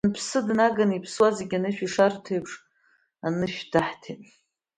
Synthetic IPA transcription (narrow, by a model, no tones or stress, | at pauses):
npʰsɨdnaɡanipʰswazeɡʲanɨʃᶣiʂartʰejpʰʂʼ | anɨʃᶣdaħtʰitʼ